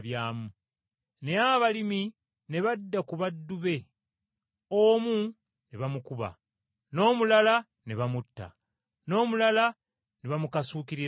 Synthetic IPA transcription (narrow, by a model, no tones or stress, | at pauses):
βjaːmu | ne̞aβalimi | ne̞βadːakuβadːuβe̞ | omu | neβamukuβa̰ | no̞ːmulala | ne̞βamutːa̰ | no̞ːmulala | neβamukasuːkiɾi